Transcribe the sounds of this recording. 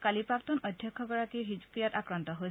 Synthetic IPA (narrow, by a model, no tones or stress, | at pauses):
kalipaktunɔdʱjɔkʰːɔɡɔɹakiɦizpɹijatakɹantɔɦo